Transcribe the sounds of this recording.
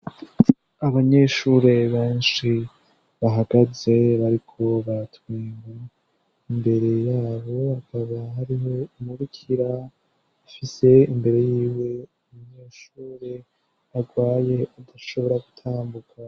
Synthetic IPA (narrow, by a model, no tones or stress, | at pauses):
aβaɲe̞ːʃuɾe̞βeːnʃi | βaɦaɡaze̞βaɾikʰo̞βatwiːŋa | imbe̞ɾe̞jaːβo̞hakʰaβaɦaɾiɦo̞imuɾukʰiɾa | afise̞imbe̞ɾe̞jiːwe̞umuɲe̞ːʃuːɾe̞ | aɡwaːje̞adaʃo̞βo̞ɾaɡutʰaːmbukʰa